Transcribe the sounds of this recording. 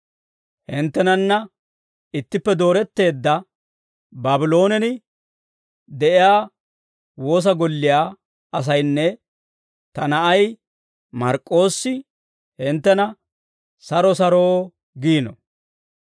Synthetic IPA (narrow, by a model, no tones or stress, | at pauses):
hɪnt̪ːɛnɐnːɐ | ɪt̪ːɪpːɛd̪o̞ːɾɛt̪ːe̞ːd̪ːɐ | baːbɪlo̞ːnɛnɪ | d̪ɛʔɪjaː | wo̞ːs̬ɐɡɔlːɪjaː | ɐs̬ɐjnːɛ | t̪ɐnɐʔɐj | mɐɾkʼːo̞ːsːɪ | hɪnt̪ːɛnɐ | sɐɾɔsɐɾoː | ɡiːnɔ̰